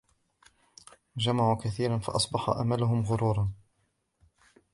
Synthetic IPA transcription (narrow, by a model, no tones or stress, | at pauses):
d͡ʒamaʕukaθiːɾanfɑ̰ʔɑsˤbɑħa̰ʔa̰malʊɦʊmɣʊɾuːɾˤɑn